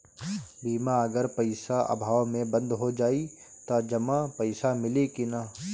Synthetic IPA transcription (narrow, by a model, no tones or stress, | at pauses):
biːmaɐɡəɾpɐɪsaʔɐ̰bʱaːwmẽbɐ̃nd̪ɦod͡ʒaːi | t̪ad͡ʒɐmapɐɪsamɪlekina